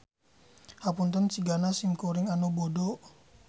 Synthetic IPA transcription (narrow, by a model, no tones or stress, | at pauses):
hapunt̪ənt͡ʃiɡanasimkoɾiŋanobodɔ